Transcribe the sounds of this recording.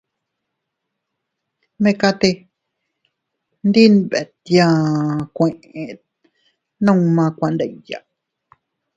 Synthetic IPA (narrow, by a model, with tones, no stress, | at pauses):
mẽ˧ka˧t̪e˧ | nd̪i˦nβe˨t̪jã˧kʷẽ˨˧ʔẽ˨˧ | nã˦˧mã˧kʷã˧nd̪a˧i˨ja̰˨